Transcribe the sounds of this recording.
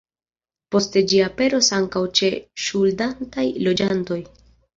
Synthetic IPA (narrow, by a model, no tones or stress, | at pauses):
po̞ste̞d͡ʒiape̞ɾo̞saŋkawt͡ʃe̞ʃuldantajlo̞d͡ʒanto̞j